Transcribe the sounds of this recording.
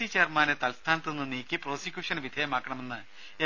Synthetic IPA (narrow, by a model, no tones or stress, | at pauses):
it͡ɕeːrmaːnɨt̪ɐlst̪ʰaːnɐt̪ːenːɨniːkʲːɨpro̞ːsikʲjuːʂɐnʋid̪ʱejɐmaːkːɐɳɐme̞nːɨ | e